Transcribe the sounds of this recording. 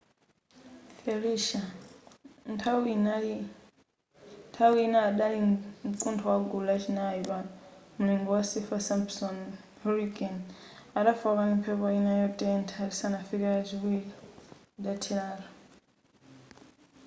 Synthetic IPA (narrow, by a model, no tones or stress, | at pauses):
fɛɾiʃa | ntʰawna | ntʰawiinaːɗaliǀuntʰɔwaɡulat͡ʃʰinajiβamuniŋɡɔwasifasampsɔn | hɔɾiɡanaɗafakanimpʰɛpɔinajɔtʼɛntʰalisanafikɛazʷikwili | datʰiɺaːlɔ